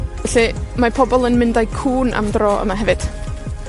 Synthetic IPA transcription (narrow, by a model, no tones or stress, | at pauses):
ɛɬimapʰɔbɔlˠənmɪndajkʰuːnʔa̰mdrɔːə̰maɦɛvɨd̥